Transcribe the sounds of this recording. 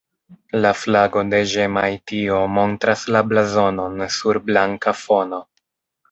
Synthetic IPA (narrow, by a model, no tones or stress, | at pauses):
laflaɡo̞de̞ʒemajtio̞mo̞ntɾaslablazo̞no̞nsuɾblaŋkafo̞no̞